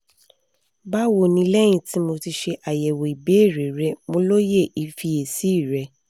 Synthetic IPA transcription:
ba˦wo˨nĩ˧˦lɛ˦j̃ĩ˧ti˨˦mo˧ti˧ʃe˧ʔa˨jɛ˨wo˨i˨be˨˦˨ɾe˨ɾɛ˦mõ˧lo˦je˦˨ʔi˨fi˧e˨si˦˨ɾɛ˧

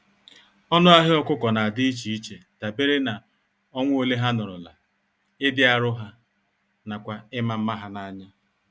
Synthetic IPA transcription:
ɔ˦nʊ˦a˦ɦɪ˦ɔ˦kʷʊ˦kɔ˨na˨a˨dɪ˦i˦t͡ʃi˨i˦t͡ʃe˨ta˨be˦ɾe˦na˨ | ɔ˦ŋʷ˦o˦le˦ɦa˦nʊ˨ɾʊ˨la̰˨ | ɪ˦dɪ˦a˨ɾʊ˦ɦa˦ | na˨kʷa˨ɪ˦ma˨m̩˦ma˦ɦa˦na˦ɲa˦

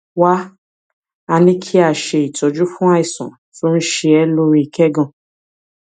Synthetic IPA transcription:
wa˦ | a˧nĩ˦kʰi˦a˦˨ʃe˧i˨tɔ˨˧d͡ʒu˦fũ˦a˦i˨sɔ̰̃˨ | to˦n̩˦ʃe˧ɛ˧˦lo˦ɾi˧i˨kɛ˦ɡɔ̃˦˨

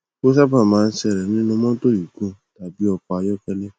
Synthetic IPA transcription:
ko˦s̬a˦pã˦˨mãː˨˦˧n̩˦sɛ˧˨ɾɛ˨nĩ˦nũ˧mɔ̃˦to˦ju˨kũ˧ta˨bi˨˦ɔ˧k͡pa˨˧a˧jɔ˦kɛ˦lɛ˦

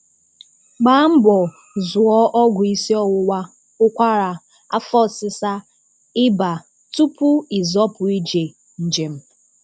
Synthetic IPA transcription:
ɡ͡ba˦m̩˦bɔ˨ | zʊ˨ɔ˦ʔɔ˦ɡʷʊ˨i˦si˦ɔ˦wʊ˦wa˦ | ʊ˦kʷa˦ɾa˨ | a˦fɔ˦˨sɪ˦sa˦ | ɪ˦ba˨ | tu˦pʊ˦i˨zɔ˦pʊ˨i˦d͡ʒe˨ | n̩˨d͡ʒe˨m̩˦

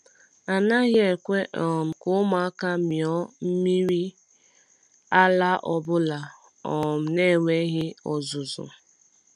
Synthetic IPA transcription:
a˨na˦ɣje˦˨kʷe˦ʔɔ˨m̩˨kʊ˦ma˨˦ka˦mjɔ˦m̩˦mi˦ɾi˦ | a˦la˦ʔɔ˨bʊ˦la˨ | ɔ˨m̩˨ne˦˨wʷe˦ɣɪ˦ɔ˨zʊ˨zʊ̰˨

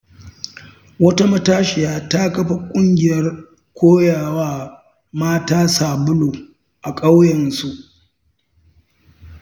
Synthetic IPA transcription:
wɐ˦ta˦mɐ˦taː˦ʃɪ˨jaː˨ta˦kɐ˦ɸa˦kʷʼʊ˦ŋɡʲɪ˨jɐ˦r | kʷoː˦jaː˨waː˦ | maː˦taː˦saː˨bʊ˦loː˨ | ʔa˨kʼa˦wjɐ˨nsu˦ʔ

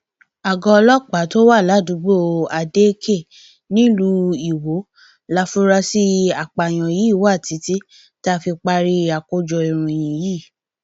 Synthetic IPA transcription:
a˨ɡɔ̃˧lɔ˦k͡pa˨˦to˦wa˦˨la˨˦du˨˦ɡ͡bo˦˨a˧de˦kʰe˦˨ | nĩ˦lu˧˦i˨wo˨˦ | la˧fũ˦ɾa˧si˦a˨k͡pa˨j̃ɔ̃˨jiː˨˦˨wa˦˨ti˨˦ti˦ | ta˦˧fi˧k͡pa˧ɾi˧a˨ko˧d͡ʒɔ˧i˨ɾ̃ũ˧˨j̃ĩ˨jiː˦˨

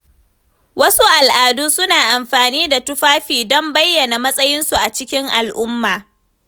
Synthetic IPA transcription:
wɐ˦su˦ʔa˨lʔaː˨duː˦sʊ˦naː˨ʔa˨mɸaː˨niː˦da˨tʊ˦ɸaː˦ɸiː˨dɔ˦mbɐ˦jːɐ˨na˨mɐ˦sʼɐ˦jɪ˦nsu˨ʔa˨t͡ʃɪ˦kʲɪ˦ŋʔa˨lʔʊ˦mːaː˨

